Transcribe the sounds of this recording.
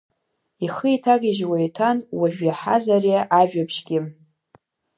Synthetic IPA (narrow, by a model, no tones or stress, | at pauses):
iχəitʰaɡʲɪʒwajtʰanwaʒᶣjaħa̰zarijaʔaʒᶣapʰʃɡʲɪ